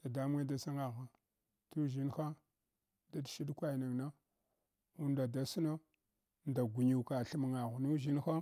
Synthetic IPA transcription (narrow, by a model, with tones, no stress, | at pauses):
d̥a˨da˦mu˦a˦da˦sa˦ŋa˨ɣa˨ | tu˦ʒi˦nxa˦ | da˦dʃi˦ɗkʷa˦˨na˨ŋna˦ | u˦nda˨da˦si˦na˦ | nda˨ɡʷu˨ɲi˨ka˨ɬi˦m˨ŋa˨ɣu˨nu˦ʒi˦nxa˦